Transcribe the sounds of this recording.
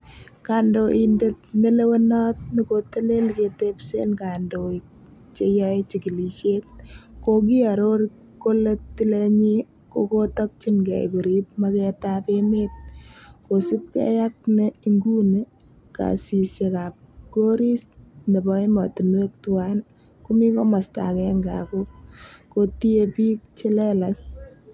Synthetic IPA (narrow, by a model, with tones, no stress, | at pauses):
ka˨ndoʔindet̚me˦le˦we˦nɔ˦t̚ni˦ko˦te˦le˦lke˨tepsḛ˦nka˨ndo˨i | t͡ʃejɔ˦et͡ʃiki˨li˨ʃet̚koɡi˦a˨ɾoɾ | kːo˦le˦ttːi˦leɲi˦ | ko̰kotɔk̚t͡ʃinɡɛ̰˨jko˨ɾip̚makɛtapemet̚ko˨si˦p̚kɛ̰˦ja˦k̚ne˦iŋɡu˦ne˦ | ka̰˨si˨sje˨ka˨p̚ɡo˦ɾi˦sne˨bɔ˦imɔ˨ti˨nwe˦k̚tuan | ku˦mi˦ko˦ma˨sta̰˨kɛŋɡa̰˨ko˦k̚koti˦epiː˦k̚t͡ʃi˦lɛ˦la˨t